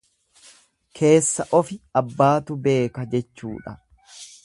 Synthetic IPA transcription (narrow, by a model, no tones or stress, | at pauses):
kʰe̞ːsːɐʔɔfɪɐbːaːt̪ʊbe̞ːkɐd͡ʒɛt͡ʃːṵːᶑɐ